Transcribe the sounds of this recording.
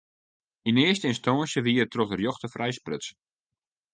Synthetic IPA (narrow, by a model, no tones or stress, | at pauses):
inɪəstəɪnstɔnsjəʋiːərtrɔxdərjɔxtəfrɛjsprøt͡s